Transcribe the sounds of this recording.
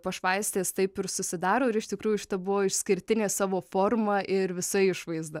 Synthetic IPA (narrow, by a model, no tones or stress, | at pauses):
pɐʃʋɐɪsʲt̪ʲeːst̪ɐɪpɪɾsʊsʲɪd̪ɑːɾoːɪɾɪʃt̪ʲɪkɾuːjʊʃʲɪ̥t̪ɐbʊʋoːɪʃsʲkʲɪɾʲt̪ʲɪnʲeːsɑːʋoːfoːrmɐʔɪɾʋʲɪsɐɪɪʃʋɐɪzd̪ɐ